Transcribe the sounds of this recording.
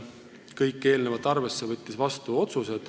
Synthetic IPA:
kɤjkːˑe̞ːlnevɑt̪ːˑɑrve̞sːevɤt̪ʲːisvɑst̪uo̞t̪suse̞d̪̥

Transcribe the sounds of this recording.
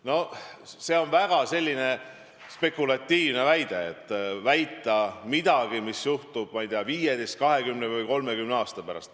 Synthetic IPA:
no̞se̞o̞nvæɡ̥ɑse̞lʲːine̞ | spe̞kulɑt̪ʲːiːvne̞væjd̪̥e̞et̪ˑːvæjt̪ːˑɑmid̪̥ɑɡ̥imisjuht̪ub̥̚mɑjt̪eɑviːjed̪est̪̚kɑɦe̞ɡymnevɨjko̞lme̞kymneɑːst̪ɑpæɾɑ̰st̪

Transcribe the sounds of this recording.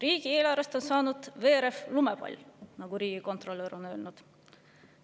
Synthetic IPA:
riːɡ̥ie̞ːlɑɾest̪o̞nsɑːnud̪̥ve̞ːɾe̞flumepɑ̰lʲnɑɡ̥uɾiːɡ̥iko̞nt̪ro̞lːeɾo̞nø̞ːlnud̪̥

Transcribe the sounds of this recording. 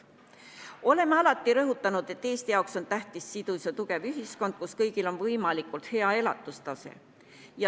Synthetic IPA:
o̞le̞mːeɑlɑt̪ːˑiɾɤɦut̪ːˑɑnud̪̥e̞t̪ːe̞ːst̪ijɑwkso̞nt̪æht̪isːid̪̥usʲjɑt̪uɡ̥e̞vyɦisko̞nd̪̥̚kuskɤjɡ̥ilo̞nvɤjmɑlikˑult̪he̞ɑe̞lɑt̪ːˑust̪ɑsḛ | jɑ

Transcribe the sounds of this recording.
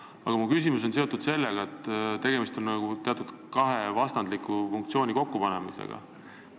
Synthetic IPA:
ɑ̰ɡ̥ɑmukys̬ʲimus̬o̞ns̬e̞o̞t̪ːˑud̪̥se̞lːeɡ̥ɑet̪ːˑt̪e̞ɡ̥e̞mist̪o̞nnɑɡ̥ut̪e̞ɑt̪ud̪̥ | kɑɦe̞vɑst̪ɑnd̪likːˑufuŋkt̪sio̞ːnʲiko̞kːupɑne̞mḭsḛɡ̥ɑ̰

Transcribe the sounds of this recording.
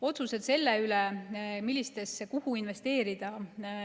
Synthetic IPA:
o̞t̪suse̞d̪̥se̞lːeylemilːist̪e̞skuhuinve̞st̪e̞ːɾid̪̥ɑ

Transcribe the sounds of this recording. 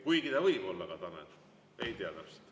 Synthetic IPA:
kujɡit̪ɑvɤjbo̞lːɑkɑt̪ɑnḛt̪ | ejt̪iɑt̪æpse̥lt̪

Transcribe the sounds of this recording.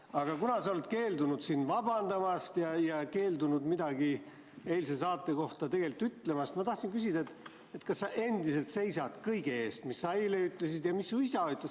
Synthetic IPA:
ɑɡ̥ɑkunɑsɑole̞t̪ke̞ːld̪unud̪siːnvɑbɑnd̪̥ɑmɑst̪jɑjɑke̞ːld̪unud̪mid̪̥ɑɡi | e̞jlse̞sɑːt̪ˑːe̞ko̞ht̪ɑt̪e̞ɡ̥elit̪ːˑyt̪ːle̞mɑst̪mɑt̪ɑht̪sinkys̬ʲid̪̥ɑet̪ːˑ | et̪kɑsːɑʔe̞nd̪ise̞lt̪se̞jsɑt̪kɤjɡe̞e̞ːst̪misːɑejleyt̪ːˑle̞sid̪̥jɑmisːuisɑyt̪ːˑles

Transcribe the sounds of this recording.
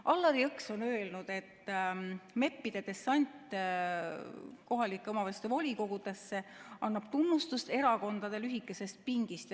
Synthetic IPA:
ʔɑlːɑɾiɯkso̞nø̞ːlnud̪̥e̞t̪ːˑ | me̞pːid̪̥e̞t̪e̞sːɑnʲt̪ˑ | ko̞ɦɑlikːˑeomɑvest̪evo̞lʲiko̞ɡ̥ud̪̥e̞sːe̞ʔɑnːɑb̥t̪unːust̪ust̪e̞ɾɑko̞nd̪̥ɑd̪e̞lyɦikˑːe̞se̞st̪̚piŋɡ̥ist̪

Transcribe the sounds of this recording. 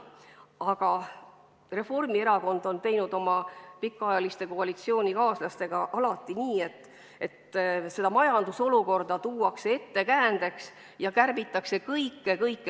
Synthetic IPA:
ɑɡ̥ɑ | re̞fo̞rmieɾɑko̞nd̪̥o̞nt̪e̞jnud̪o̞mɑpikːˑɑɑjɑlist̪e̞ko̞ɑlit̪sio̞ːnʲikɑːslɑst̪e̞ɡ̥ɑʔɑlɑt̪ːˑiniːe̞t̪ːˑ | e̞t̪ːse̞d̪̥ɑmɑjɑnd̪̥uso̞luko̞rd̪ɑt̪uːɑksee̞t̪ːe̞kæːnd̪e̞ks | jɑkærvit̪ːˑɑkse̞kɤjkːe̞kɤjkːˑe

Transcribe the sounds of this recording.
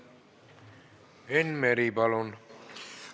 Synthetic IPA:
enmeɾibalon

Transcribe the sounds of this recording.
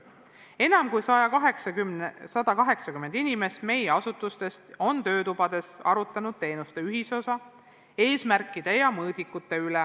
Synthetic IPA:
e̞nɑmkujsɑjɑkɑɦeksɑymsɑd̪̥ɑkɑɦe̞ksɑkymːend̪inime̞st̪me̞jeɑsut̪ːˑust̪e̞st̪o̞nt̪ø̞ːt̪ub̥ɑd̪̥e̞sɑ̰ɾut̪ːˑɑnud̪̥̚t̪e̞ːnust̪e̞yɦiso̞sɑ | e̞ːsmærkːˑid̪̥e̞jɑmɤːd̪̥ikːˑut̪ːˑe̞ylɛ

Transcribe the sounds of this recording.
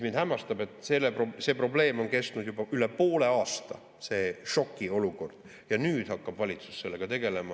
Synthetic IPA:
mind̪hæmːɑst̪ɑbe̞t̪ːˑselːeprose̞ːpro̞ble̞ːmo̞nke̞st̪nud̪jub̥ɑyle̞po̞ːle̞ɑːst̪ɑ̰ | se̞ːʃo̞kːˑio̞luko̞rd̪̥ | jɑnyːd̪̥hɑkːɑb̥vɑlʲit̪su̥sse̞lːeɡ̥ɑt̪e̞ɡ̥e̞lemɑ

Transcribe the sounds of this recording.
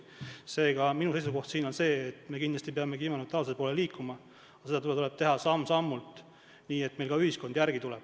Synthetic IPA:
se̞ːɡɑminuse̞jsuko̞ht̪siːno̞nse̞ːet̪me̞kind̪lɑst̪ipeɑmekiːmɑnot̪ːˑɑosepoːleliːkːumɑ | ɑse̞d̪ɑt̪ult̪ule̞b̥̚t̪e̞ɦɑsɑmːsɑmːult̪ | niːe̞t̪ːme̞lkɑyhisko̞nd̪jæɾɡit̪ulɛb̥

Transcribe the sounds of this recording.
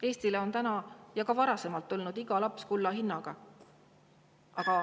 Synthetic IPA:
e̞ːst̪ileo̞nt̪ænɑjɑkɑvɑɾɑse̞mɑlt̪ːulnud̪̥iɡ̥ɑlɑpskulːɑɦinːɑɡ̥ɑ | ʔɑɡ̥ɑ

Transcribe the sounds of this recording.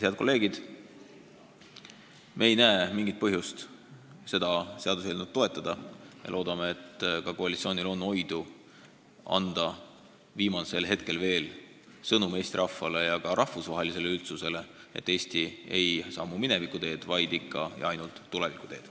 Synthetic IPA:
heɑd̪̥ko̞lːe̞ːɡid̪̥ | mʔe̞ːjnæeːmiŋɡit̪̚pɤɦjust̪ | se̞d̪̥ɑse̞ɑd̪us̬elnud̪̥̚t̪ːo̞e̞t̪ˑːɑd̪̥ɑjɑ̰lʔo̞ːd̪̥ɑmeet̪ːkɑkoɑlit̪sio̞ːnilo̞nːo̞jd̪u | ɑ̰nd̪̥ɑ | viːmɑse̞lɦe̞t̪̚ke̞lve̞ːl | sɤnume̞ːsʲt̪iɾʔɑfːɑle̞jɑkɑɾʔɑhvusvɑɦe̞lise̞le̞ylt̪suse̞le̞e̞̰t̪ːe̞ːsʲt̪ie̞jsɑːmumine̞vikːˑut̪e̞ːd̪̥vɑjd̪ikːɑjɑjnult̪ːule̞vikˑu̥t̪e̞ːd̪̥

